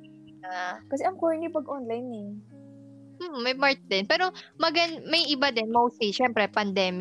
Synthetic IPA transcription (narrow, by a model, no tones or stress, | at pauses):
nakɐsɛʔɐŋkoɹnipɐɡʔonlɐjnɛ | m̩ːɐjmaɹt̪̚d̪ɛnpɛːɾo̞mɐɡɐnmɐjʔɪbad̪ɛnmowsiʃɛmpɾɛpɐnd̪ɛːmɪ